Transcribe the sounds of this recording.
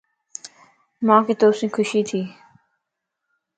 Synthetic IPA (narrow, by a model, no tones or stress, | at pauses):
mãːkeːt̪oːsĩːkʰʊʃiːt̪ʰiː